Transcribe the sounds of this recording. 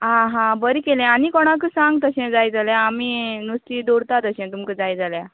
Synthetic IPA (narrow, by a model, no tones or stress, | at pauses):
ɦãɦãbəɾikelɛ̃anikɔɽ̃ãk̬əsãŋɡ̚t̪əɕɛ̃d͡zajd͡zaljãːminust̪iːd̪oɽt̪at̪əɕɛ̃t̪umkəd͡zajd͡zalja